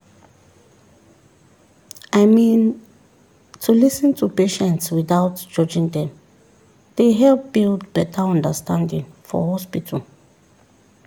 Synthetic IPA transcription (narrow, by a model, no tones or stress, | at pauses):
aɪmĩn | tʰulisə̃ntʰupeʃɛ̃ntswiθaʊtd͡ʒɔd͡ʒĩŋdɛ̃m | d̥eɦɛlp̚b̥ildbɛtʰaɔ̃ndəstʰãndĩŋfɔ̰hɔspitʰəl